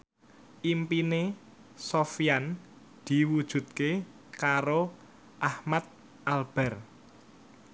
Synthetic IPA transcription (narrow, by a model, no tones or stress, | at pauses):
ʔimpine | sofjan | d̪̥i̤wud̥ʒ̥ṳt̪̚ke | kaɾo | ʔahmat̪̚ | ʔalb̥ɛ̤r